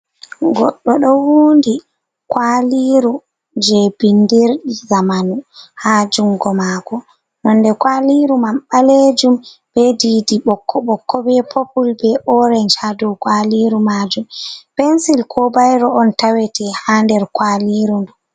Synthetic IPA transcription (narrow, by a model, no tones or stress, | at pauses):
ɡɔɗːɔɗɔwuːndi | kwaliɾu | d͡ʒɛbindeɾɗizamanuhad͡ʒuŋɡɔmaːɡɔ | nɔnːdɛkwaliɾumamɓaled͡ʒumb̥ɛdiːdiɓɔkʰːɔɓɔkʰːɔbɛpʰopulbɛʔɔɾɛnt͡ʃadukwaliɾumad͡ʒumpɛnsilkʰɔbajɾɔɔntawɛtɛhandɛɾkwaliɾundu